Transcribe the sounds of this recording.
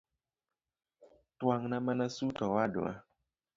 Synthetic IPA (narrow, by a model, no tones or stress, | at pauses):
twaŋnamanasutɔwadṵa̰